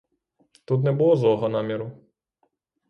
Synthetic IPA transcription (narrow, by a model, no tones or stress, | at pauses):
t̪ut̪̬nɛbulˠɔzɔɦɔnɑmʲiɾʊ